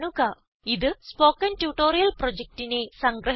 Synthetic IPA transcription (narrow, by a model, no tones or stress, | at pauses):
ɳuɣɐ | iðɨspo̞ːkːɐntjuʈːo̞ːɾijɐlprod͡ʑek̚tine̞sɐŋɡɾɐ